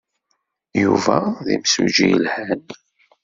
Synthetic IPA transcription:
juvæðimsud͡ʒijlhæn

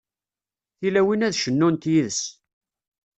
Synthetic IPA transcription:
θilæwinæðʃənːunt̪jiðəs

